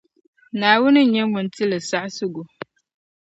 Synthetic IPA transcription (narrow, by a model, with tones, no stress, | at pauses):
naː˨wʊ˦nɨ˦˨ɲɛ˦mʊ˨n˦ti˦lɨ˨sa˦ʔsʊ˦ɡʊ˨